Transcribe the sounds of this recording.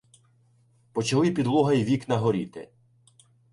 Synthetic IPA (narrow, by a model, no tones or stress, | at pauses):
pɔt͡ʃɐlˠɪpʲid̪lˠɔɦɐjʋʲiknɐɦɔɾʲit̪ɪ̰